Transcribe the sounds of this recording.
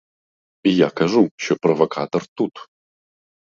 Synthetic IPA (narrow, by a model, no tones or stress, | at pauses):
ijaːkʰaʐuɕoprovɐkʰat̪ort̪ut̪ʰ